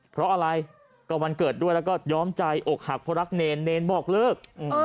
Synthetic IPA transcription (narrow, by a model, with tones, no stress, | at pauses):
pʰɾɔ˦˥ʔa˧ɾa˧j | kɔː˥˩ma˧nkɤː˨˩t̪̚du˥˩əjlɛː˦˥kɔː˥˩jɔː˦˥mt͡ɕa˧jʔo˨˩k̚ha˨˩pʰɔː˦˥ɾa˦˥k̚neː˧nːeː˧nbɔː˨˩k̚lɤː˥˩k̚ʔɯː˩